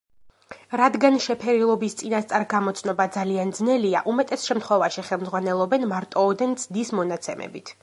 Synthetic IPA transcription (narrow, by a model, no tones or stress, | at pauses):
ɾad̪ɡanʃɛpʰɛɾilˠɔbist̪sʼinast̪sʼaɾɡamɔt̪sʰnɔbad̪zaliand̪znɛlia̰ʔumɛt̪ʼɛsʃɛmt̪χwɛvaʃiχɛlˠmd̪zʁwanɛlˠɔbɛnmaɾt̪ʼɔːd̪ɛnd̪z̥d̪ismɔnat̪sʰɛmɛ̰bit̪ʰ